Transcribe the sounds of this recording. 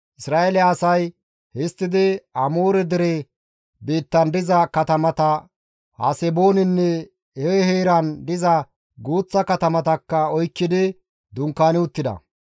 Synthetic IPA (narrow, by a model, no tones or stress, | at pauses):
ʔɪsɾaːʔelɛɐsɐj | hɪst̪ːɪd̪ɪɐmuːɾɛd̪ɪɾɛ | biːt̪ːɐnd̪ɪzɐkɐt̪ɐmɐt̪ɐ | hɐ̰sɛboːnɪnːɛ | heheːɾɐnd̪ɪzɐ | ɡuːt͡sːɐkɐt̪ɐmɐt̪ɐkːɐɔjkːɪd̪ɪ | d̪ʊŋkːaːnɪʊt̪ːɪd̪ɐ̰